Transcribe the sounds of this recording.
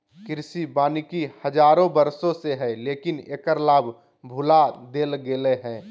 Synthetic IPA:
kɪɾsibaːnikihəd͡ʒaːɾõbəɾsõseɦɛleːkɪneːkəɾlaːbʱ | bʱʊlad̪eːlɡeleɦɛ̃ː

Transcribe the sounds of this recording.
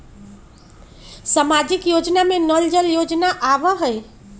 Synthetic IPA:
samad͡ʒikjod͡ʒnamenəld͡ʒəljod͡ʒnaʔabəɦəj

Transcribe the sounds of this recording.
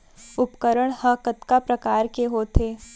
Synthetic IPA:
ʊpkəɾəɽ̃həkət̪kapɾɐkaːɾkeɦoːt̪eː

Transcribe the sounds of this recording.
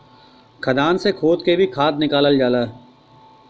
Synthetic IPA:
kʰəd̪aːnsekʰoːt̪kebʱikʰaːt̪nɪkaːləld͡ʒaːlaː

